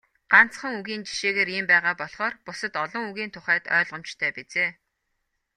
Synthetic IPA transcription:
ɢ̥an̥t͡sχə̆ŋuɣiːnt͡ɕi̥ʃeːɣeːɾiːmpæːʁaːpɔɮχɔːrpʊsə̆t̪ɔɮɞ̆ŋuɣiːnt̪ʰʊχæːt̪œ̰ːɮʁə̆m̥t͡ɕt̪ʰœːpet͡seː

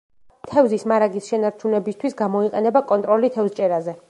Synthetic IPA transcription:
t̪ʰɛvzismaɾaɡisʃɛnaɾt͡ʃʰunɛbist̪ʰwisɡamɔiqʼɛnɛbakʼɔnt̪ʼɾɔlit̪ʰɛvzt͡ʃʼɛɾazɛ

